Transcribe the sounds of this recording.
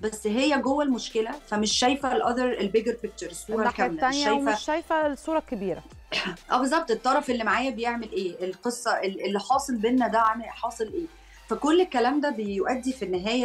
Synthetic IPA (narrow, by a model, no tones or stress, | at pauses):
bæsːɦejːæɡowːælmoʃkelæfæmeʃːæjfælʔɑðɑɾˤelbeɡeɾpek̚t͡ʃeɾesˤːuːɾˤɑkæmlææʃːæjfæʃæjfæsːˤuːɾˤɑkebiːɾæ̰ | ʔæ̰ːbezˤːɑb̚t̪ˤet̪ˤːɑɾˤɑfʔelːimaʕaːjæbejeʕmelʔeːʔelqesˤːɑʔelʔelːiħɑːsˤelbenːæd̪aʕmiħɑːsˤelʔeː | fækolːelkːælæːmd̪æbejoʔæd̪ːifinːeɦæːjæ